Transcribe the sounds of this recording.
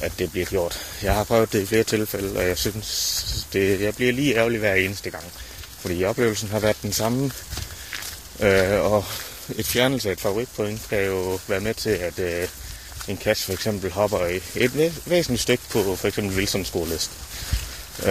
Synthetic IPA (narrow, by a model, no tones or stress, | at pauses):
ʔæd̥e̝b̥liɐɡ̥jo̝ɐ̰d̥jɑ̈ɪhɑ̈pʰʁœʊð̩ˠd̥eifle̝ːɐt͡sʰe̝lfeləɒ̽jɑ̈ɪsynsd̥e̝jɑ̈ɪb̥liɐliːæɐliʋæɐ̰e̝ːnəsd̥əɡ̥ɑ̈ŋ̰fɒ̽ɾ̥ḭːɒ̽b̥le̝ːʊl̩sn̩ɦɑ̈ʋæɐ̰d̥ːensɑ̈m | øɒ | e̝d̥fjæɐnəl̩səæed̥fæʋoʁiɡ̥̚pʰoeŋ̰d̥kʰæjo̝ʋæːɐmet͡sʰe̝æd̥ | e̝nkʰæsfɒ̽eɡ̥sem̰b̥l̩ɦɒ̽b̥ɐe̝d̥ʋḛːsn̩lid̥sd̥øɡ̥ə̥pʰɒ̽fɒeɡ̥sem̰b̥l̩ʋilsɒ̽msɡ̥o̝ːɐlesd̥